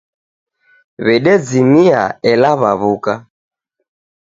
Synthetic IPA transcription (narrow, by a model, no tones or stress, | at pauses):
βɛɗɛd͡zimia̰ɛlaβaβuka